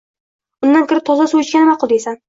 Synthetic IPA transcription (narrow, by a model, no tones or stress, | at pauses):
ʊnːankʲʰɪɾɪp̚t̪ʰɒzasujʊt͡ʃkʲanɪmaqʰɨlˠd̪esan